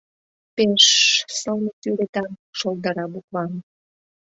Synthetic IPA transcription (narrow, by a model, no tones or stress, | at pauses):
peʃsəlnət̪yɾet̪ɑmʃold̪ɑɾɑbukβɑm